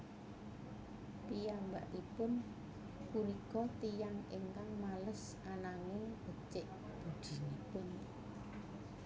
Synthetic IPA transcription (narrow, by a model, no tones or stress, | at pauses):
pijaŋba̰ʔipʊn | kuɾikɔt̪ijaŋeŋkaŋmaləs | ʔanaŋɪŋb̥ət͡ʃɪʔ | b̥ud̪̥i̤nipʊn